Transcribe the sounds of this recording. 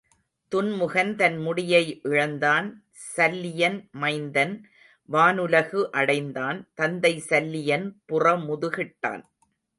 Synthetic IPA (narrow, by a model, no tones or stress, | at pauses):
t̪ʊnmʊɣɐnt̪ɐnmʊɽɪjɐɪʔɪɻɐnd̪aːn | sɐlːɪjɐnmɐɪnd̪ɐn | ʋaːnɯlɐɣɯʔɐɽɐɪnd̪aːnt̪ɐnd̪ɐɪsɐlːɪjɐnpʊrɐmʊðɯɣɪʈːa̰ːn